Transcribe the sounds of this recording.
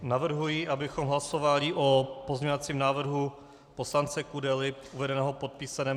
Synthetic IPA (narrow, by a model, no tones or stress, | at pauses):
navr̩ɦujiʔabɪxo̞mɦlaso̞valɪʔopozɲovat͡siːmnaːvr̩ɦu | po̞slant͡sɛkudɛlɪ | uvɛdɛnɛːɦopo̞t̪̚piːsanɛː